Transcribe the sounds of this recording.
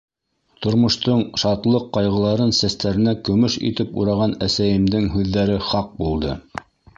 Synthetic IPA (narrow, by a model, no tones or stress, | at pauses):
t̪ŏɾmŏʃt̪oɴʃɑt̪lˠɤqːɑjʁɤ̆lˠɑɾɤnsæst̪æɾɘ̆nækɵ̆mɵʃḭt̪ɘpṵɾɑʁɑnæsæjɘ̆md̪ɘŋɦʉðːæɾɘχɑq̚bulˠd̪ɤ